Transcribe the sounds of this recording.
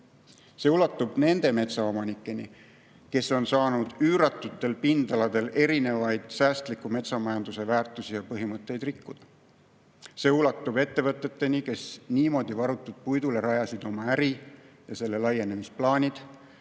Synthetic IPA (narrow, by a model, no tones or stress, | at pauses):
se̞ulɑt̪ːˑub̥ne̞nd̪e̞me̞t̪sɑo̞mɑnikːˑe̞ni | ke̞so̞nsɑːnud̪̥yːɾɑt̪ːˑut̪ːˑe̞lpind̪̥ɑlɑd̪̥e̞le̞ɾine̞vɑjd̪̥sæːst̪likːume̞t̪sɑmɑjɑnd̪use̞væːrt̪ˑːusijɑpɤɦimɤt̪ːˑe̞jd̪̥rikːud̪̥ɑ | se̞ulɑt̪ːˑub̥e̞t̪ːe̞vɤt̪ːˑe̞t̪ːe̞nike̞sniːmo̞d̪̥ivɑɾut̪ːˑud̪̥̚pujd̪ule̞ɾɑjɑsid̪̥o̞mɑæɾi | jɑse̞lːe̞lɑje̞ne̞misplɑːnʲid̪̥